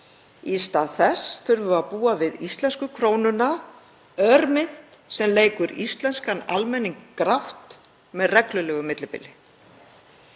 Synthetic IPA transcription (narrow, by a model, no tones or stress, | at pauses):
ist̪aðθɛsθʏɾvʏaðpuːavɪðist̪lɛnskʏkʰɾoːwnʏna | œɾmɪn̥t̪ | sɛmleːjkʏɾist̪lɛnskana̰lmɛnːiŋkːɾawht̪ | mɛðrɛklʏlɛːɣʏmɪt̪lɪpɪ̰lːɪ